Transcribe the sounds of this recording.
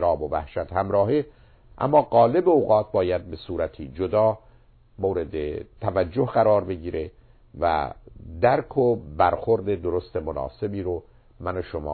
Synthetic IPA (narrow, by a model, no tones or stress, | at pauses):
ɾɒːbovæ̰hʃæt̪hæmɾɒːɦe | ʔæ̰mːɒːɡɒːle̞beoːɣɒːt̪̚bɒːjæd̪̚be̞suːɾæt̪ʰiːd͡ʒod̪ɒː | moːɾe̞d̪et̪ʰævæd͡ʒːohɢæɾɒːɾbe̞ɡiːɾʔe | væ̰d̪æɾkʰobæɾxoɾd̪ed̪oɾost̪emonɒ̰ːse̞biːɾo | mænoʃomɒ̰ː